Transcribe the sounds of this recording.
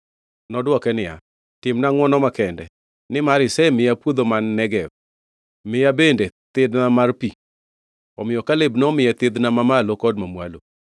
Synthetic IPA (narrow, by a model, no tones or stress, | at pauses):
nɔdwɔkɛnɪja̰ | tɪmnaŋwɔnɔmakɛndɛ̰ | nɪmaɾɪsɛmɪjapwod̪omanːɛɡɛ | mɪjabendet̪ɪd̪namarpi | ɔmɪjɔkalebnɔmɪjɛt̪ɪd̪namamalokɔd̚mamwa̰lo̰